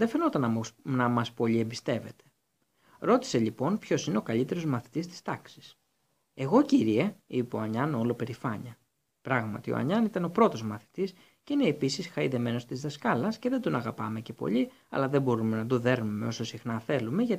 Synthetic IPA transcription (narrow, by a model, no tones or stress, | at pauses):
ðefeno̞t̪ɐnnɐmɐspo̞ʎiembist̪e̞ve̞̰t̪e̥ | ɾo̞t̪i̥se̞ʎipo̞npço̞sine̞o̞kɐʎit̪e̞ɾo̞zmɐθi̥t̪ist̪i̥st̪ɐksi̥s | e̞ɣo̞ciɾieipeoɐɲɐno̞lo̞pe̞ɾifɐɲɐ | pɾɐɣmɐ̰t̪io̰ɐ̰ɲɐnit̪ɐnopɾo̞t̪o̞zmɐθi̥t̪is | ceineːpisisxɐiðe̞me̞no̞st̪izðɐskɐlɐsce̞ðe̞nd̪o̞nɐɣɐpɐme̞ce̞po̞̰ʎi | ɐ̰lɐðe̞bo̞ɾume̞nɐt̪oðe̞ɾnume̞o̞so̞sixnɐθe̞lume̞ʝɐ